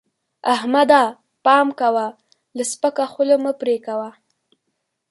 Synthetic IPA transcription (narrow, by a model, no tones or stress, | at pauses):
ahmad̪a | pɑmkawa | ləspəkaxʊloməpɾekawa